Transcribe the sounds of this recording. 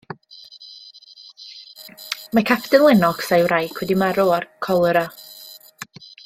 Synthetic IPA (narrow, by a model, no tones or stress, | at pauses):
makʰapʰd̥ənlˠɪnɔksajwrajkʰwɛdimaɾɔɔrkʰɔlˠəɾa